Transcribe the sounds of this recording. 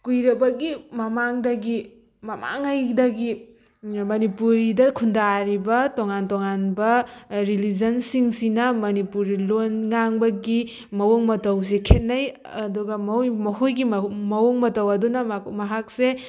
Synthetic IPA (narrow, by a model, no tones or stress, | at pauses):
kujɾɐbɐɡimɐmaŋdɐɡi | mɐma̰ŋajdɐɡi | mɐnipuɾidɐkʰundaɾibɐtoŋantoŋanbɐɾilid͡ʒɐnsiŋsinɐmɐnipuɾilonŋaŋbɐɡi | mɐwoŋmɐtɐws̬ekʰet̚naj | ɐduɡɐmjmɐɦujɡimɐwoŋmɐtɐwɐdunɐmɐɦak̚se